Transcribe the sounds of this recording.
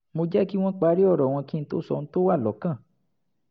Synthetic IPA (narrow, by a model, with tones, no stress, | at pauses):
mũ˧d͡ʒa˦ki˦w̃ã˦k͡pa˧˦ɾi˦ɔ˦˨ɾɔ˨w̃ã˧kĩ˦˧n̩˧t̪o̰˦sɔ̰˧˨˧n̩˦t̪o˦wa˦˨lɔ˨kã˦˨